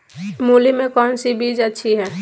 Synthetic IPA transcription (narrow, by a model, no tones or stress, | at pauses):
muːlimẽkɔːnsibʱiːd͡ʒətːʃʰiɦɛː